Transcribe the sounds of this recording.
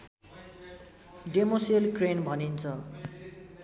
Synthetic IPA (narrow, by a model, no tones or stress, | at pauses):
ɖemoselkrenbʱʌnint͡sʰʌ